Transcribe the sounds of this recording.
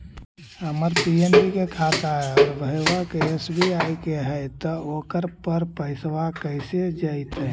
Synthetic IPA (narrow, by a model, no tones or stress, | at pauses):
həməɾpienpikekʰat̪aɦeɔːɾbʱəewakeesbʱiajkeɦɛjt̪ɔoːkəɾpəɾpəɪswakəɪsed͡ʒaɪt̪